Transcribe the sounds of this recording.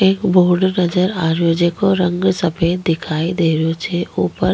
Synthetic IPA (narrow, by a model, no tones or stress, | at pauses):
eːkbʱoːɾɖnəd͡ʒəɾaːɾjod͡ʒeːkoɾə̃ŋɡsɐpeːt̪̚d̪ɪkʰaːid̪eːɾjot͡ʃʰeʔuːpəɾ